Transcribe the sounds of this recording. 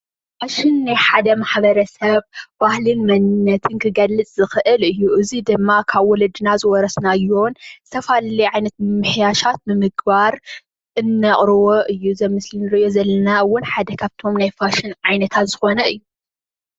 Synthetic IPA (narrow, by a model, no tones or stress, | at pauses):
faʃɪnːajħad̪ɐmaħbɐɾɐsɐβbahlɨnmɐnɨnːɐt̪ʰɨnkʰɨɡɐlːɨt͡sʼzɨxɨʔɨlɨjːuʔɨzid̪ɨmːakʰaβwɔlɐd̪ɨnazɨwɔɾɐsnajo̞nzɨt̪ʰɐfalliʕajnɐt̪̚mɨmɨħjaʃat̪̚mɨmɨɡbaɾ | ʔɨnːɐχʼɾɨwoʔɨjːuzɐmɨslinɨɾɨʔjo̞zɐlːɐnawʊnħad̪ɐkʰaβt̪ʰo̞mnajfaʃɪnʕajnɐt̪ʰat̪zɨxo̞nɐɨjːu